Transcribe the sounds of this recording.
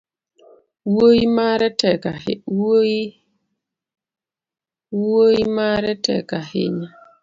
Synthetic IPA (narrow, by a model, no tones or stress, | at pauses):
woimaɾɛtɛka | woimaɾɛtɛ̰kahɪ̰ɲa